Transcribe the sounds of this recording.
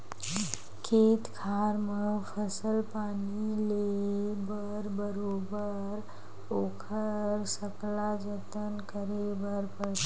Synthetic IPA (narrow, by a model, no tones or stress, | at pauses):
kʰeːt̪kʰaːɾməpʰəsəlpaːnilebə | ɾbəɾoːbə | ɾ | oːkʰəɾsəklad͡ʒət̪ənkəɾebəɾpəɽt̪ː